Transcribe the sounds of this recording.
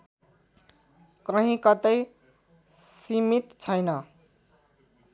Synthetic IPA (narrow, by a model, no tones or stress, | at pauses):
kʌɦĩkʌt̪ʌj | simit̪t͡sʰʌjnʌ